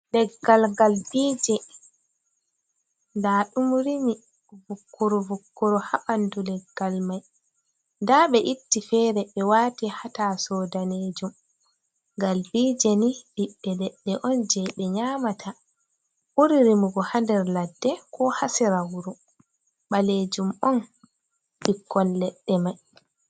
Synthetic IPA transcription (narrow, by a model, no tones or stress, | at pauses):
lɛɡːalɡalbiːd͡ʒɛ | ndaːɗumɾimi | vukːɔɾɔvukːɔɾɔhaɓandulɛɡːalmaj | ndaɓɛʔitːifɛːɾɛɓɛwaːtihatasɔːdaneːd͡ʒum | ɡalbiːd͡ʒeniɓiɗːɛlɛɗːɛʔɔnd͡ʒɛɓɛɲaːmatʰa | ʔuɾiɾimuɡɔhandɛɾladːɛkʰɔhasiɾawuɾu | ɓaled͡ʒumɔn | ɓikːɔnlɛɗːɛmaj